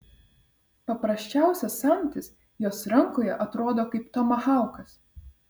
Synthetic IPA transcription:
pɐpɾɐsʲt͡ʃʲæˑʊsʲɛsːɑmʲt̪ʲɪs | joːsɾɐŋˑkoːjɛʔɐt̪ɾoːd̪oːkɐɪpt̪ɔmɐxɑˑʊkɐs

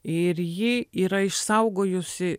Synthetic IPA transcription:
ɪrjɪiɾɐɪʃsɐʊɡoːjʊsʲɪ

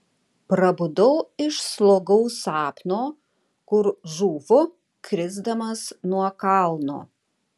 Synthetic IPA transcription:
pɾɐbʊd̪ɐʊɪʃslˠoːɡɐʊsɑːpnoː | kʊɾʒuːʋʊ | kɾʲɪzd̪ɐmɐsnuɔkɑlˠno̰ː

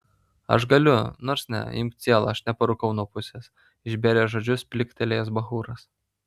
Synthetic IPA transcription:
ɐ̰ʃɡɐlʲʊnoːɾsnʲɛ̰ɪ̰mʲkʲt̪ʲsʲiɛlˠɐ̰ɐʃnʲɛpɐɾʊkɐʊnuɔpʊsʲes | ɪʒʲbʲeːɾʲeːʒoːd͡ʒʲʊspʲlʲɪkʲt̪ʲɛlʲeːjɛsbɐxuːɾɐs

